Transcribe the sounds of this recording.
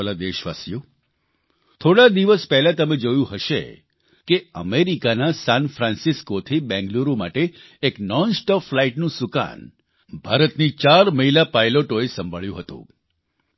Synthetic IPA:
lad̪eʃʋasijo | t̪ʰoɽad̪iʋəspɛɦlat̪əmed͡ʒojũɦəʃḛ | keə̰meɾikanasanfɾãnsiskot̪ʰibɛ̃ŋɡluɾuma̰ʈeː | knɔnsʈɔflaiʈnũsuka̰n | bʱaɾət̪nit͡ʃaɾməɦilapajloʈoesəmbʱəɭjũɦət̪ṵ̃

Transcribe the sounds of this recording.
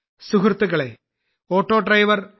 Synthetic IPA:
suɦrt̪ːuɣɐɭḛ | oːʈːo̞ːɖrɐjʋɐr

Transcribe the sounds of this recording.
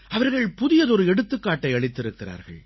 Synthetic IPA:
ɐʋɐɾɣɐɭpʊðɪjɐðɔɾɯɛɽɯt̪ːɯkːaːʈːɐɪɐɭɪt̪ːɪɾɯkːɪra̰ːɾɣɐ̰ɭ

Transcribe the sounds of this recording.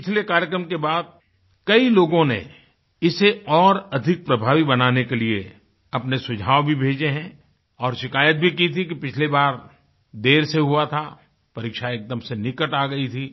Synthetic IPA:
ppɪt͡ʃʰlekaːɾjəkɾəmkebaːd̪̚ | kɐiloːɡõnḛ | ɪseɔːɾɐd̪ʱɪk̚pɾɐbʱaːʋibɐnaːnekelie | ɐpnesʊd͡ʒʱaːʋbʱibʱeːd͡ʒeɦɛ̃ː | ɔːɾʃɪkaːjət̪̚bʱikit̪ʰikipɪt͡ʃʰlebaːɾ | d̪eːɾseɦuat̪ʰa | pɐɾikʃaeːk̚d̪əmsenɪkəʈaːɡɐit̪ʰiː

